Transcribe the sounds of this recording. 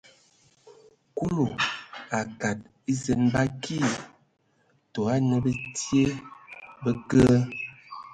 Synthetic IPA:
ku˦lo˨a˨ka˨t̚ | i˦zə˨nba˦kʰi˦˨ | to˨a˦nə˦bə˦tje˦bə˦kə˦

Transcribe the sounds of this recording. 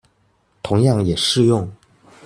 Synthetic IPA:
t̪ʰʊ˧˥ŋjɑ˥˩ŋjɛ˨˩ʂɻ̩˥˧jʊ˥˩ŋ

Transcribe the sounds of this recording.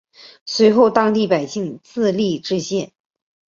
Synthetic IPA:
swe˧˥ɪxo˥˧ʊt̪ɑ˥ŋt̪i˥˩pa˨˩ɪɕi˥˧ŋt͡sɹ̩˥˧li˥˧ʈ͡ʂɻ̩˥˧ɕjɛ˥˩n

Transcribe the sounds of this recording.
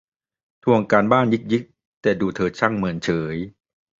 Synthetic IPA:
t̪ʰu˧əŋkaː˧nbaː˥˩njɯ˦˥k̚jɯ˦˥k̚ | t̪ɛː˨˩duː˧t̪ʰɤː˧t̪̚t͡ɕʰa˥˩ŋmɯ˩˧˦ənt͡ɕʰɤː˩˦j

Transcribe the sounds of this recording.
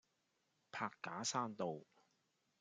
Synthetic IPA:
pʰaː˧kːaː˨˥saː˥nt̪o˨w

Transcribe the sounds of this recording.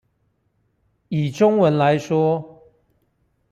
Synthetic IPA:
i˨˩ʈ͡ʂʊ˦ŋwə˨˦nla˨˦ɪʂwɔ˦˥

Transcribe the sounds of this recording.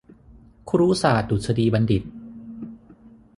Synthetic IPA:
kʰɾuː˦˥saː˨˩t̪̚du˨˩t̪̚sʰa˧diː˧ba˧ndi˨˩t̪̚

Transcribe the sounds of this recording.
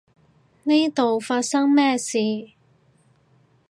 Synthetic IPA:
ni˥jt̪o˨wfaː˧t̚sɐ˥ŋmɛː˥siː˨˧

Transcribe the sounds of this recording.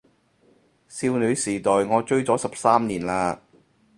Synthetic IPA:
siː˧wny˨˧siː˨˩t̪ɔː˨˩jŋɔː˨˧t͡ʃɵ˥ɥt͡sɔː˨˥sɐ˨p̚saː˥mniː˨˩nlaː˧

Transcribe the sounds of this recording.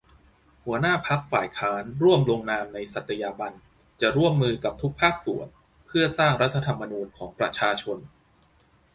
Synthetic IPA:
hu˩˦ɐnaː˥˩pʰa˦˥k̚faː˨˩jkʰaː˦˥nɾu˥˩əmlo˧ŋnaː˧mna˧jsa˨˩t̪ʰːa˧jaː˧ba˧n | t͡ɕa˨˩ɾu˥˩əmːɯː˧ka˨˩p̚t̪ʰu˦˥k̚pʰaː˥˩k̚sṵ˩˦ən | pʰɯ˥˩ɐsaː˥˩ŋɾa˦˥t̪ʰːa˧t̪ʰa˧mːa˧nuː˧nkʰɔː˩˦ŋpɾa˧t͡ɕʰaː˧t͡ɕʰo˧n

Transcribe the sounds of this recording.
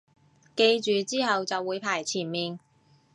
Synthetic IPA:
ke˧jt͡ʃyː˨t͡siː˥hɐ˨wt͡sɐ˨wːuː˨˧jpʰaː˨˩jt͡sʰiː˨˩nmiː˨n

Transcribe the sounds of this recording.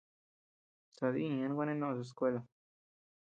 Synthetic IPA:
sa˨ðḭ̃˦˧ã˦ɡʷa˦nẽ˦nõ˦ʔs̬u˧e˧skʷe˦la˨

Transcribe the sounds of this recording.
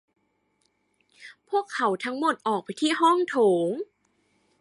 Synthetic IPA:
pʰu˥˩əkʰːa˩˦wt̪ʰa˧˦˥ŋmo˨˩t̪̚ʔɔː˨˩k̚pa˧jt̪ʰiː˥˩ɦɔ˥˩ŋt̪ʰoː˩˦ŋ

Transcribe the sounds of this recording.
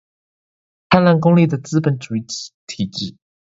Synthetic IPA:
t̪ʰa˥˧nla˥˩nkʊ˥ŋli˥˩d̪ə˩t͡sɹ̩˥pə˨˦nʈ͡ʂu˨˩i˥˩˨t̪ʰi˨˩˦t͡ɕi˨˩˦

